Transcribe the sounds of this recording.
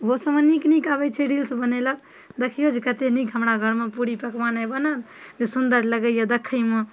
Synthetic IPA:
ʋosəməniknikabət͡ʃʰeɖilsbənelək̚ | d̪əkʰiod͡ʒkət̪enikɦəmɾaɡʱəɾmepuɾipəkmanajbənal | d͡ʒesund̪əɾləɡəjad̪əkʰəjme

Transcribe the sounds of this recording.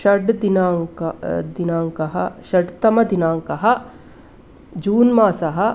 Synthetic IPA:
ʃɐɖd̪inaːŋkd̪inaːŋkɐɦɐʃɐɖt̪ɐmɐd̪inaːŋkɐɦɐ | d͡ʒuːnmaːsɐɦɐ

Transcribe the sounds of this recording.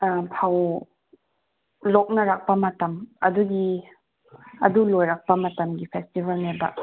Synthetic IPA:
pʰaw | lok̚nɐɾak̚pɐmɐtɐmɐ̰duɡi | ɐ̰dulojɾak̚pɐmɐtɐmɡipʰestibʱɐlnebɐ̰

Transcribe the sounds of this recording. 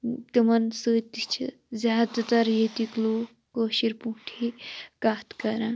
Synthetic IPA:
t̪ɨmɐnsəːt̪it͡ʃʰi | zjaːd̪at̪ɐɾjet̪ikloː | koːʃiɾpũːʈʰikaːt̪kɐɾãː

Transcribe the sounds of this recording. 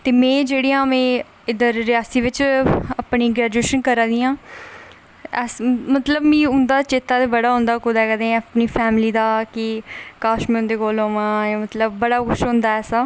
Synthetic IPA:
t̪eːmɛ̃ːd͡ʒeːɽijãːmɛ̃ː | ɪd̪əɾːɪaːsiːʋɪt͡ʃapɳiːɡɾɛːd͡ʒueːʃənkəɾãːd̪iːãː | ɛːsmət̪ləbmĩːʊnd̪aːt͡ʃeːt̪aːt̪eːbəɽaːɦʊ̃nd̪aːkʊd̪aːkəd̪ẽːpniːpʰɛːmliːd̪aːkɪkaːʃmẽːʊ̃nd̪eːkoːloːʋãːjaːmət̪ləbːəɽaːkʰʊʃɦõːnd̪aːɛːsaː

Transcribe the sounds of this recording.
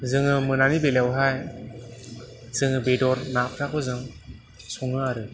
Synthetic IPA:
zɯŋɯmɯnanibelewɦaj | z̥ɯŋɯbedɔɾnakʰɾakɔzɯŋ | sɔŋɯaɾɯ

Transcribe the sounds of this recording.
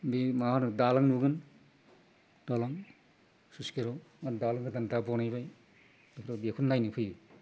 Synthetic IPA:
bimahanɯdalaŋnuɡɯn | dalaŋ | suskeɾomandalaŋkʰɯdandabɔnajbaj | bekʰɾobekʰunːajnɯpʰɯjɯ

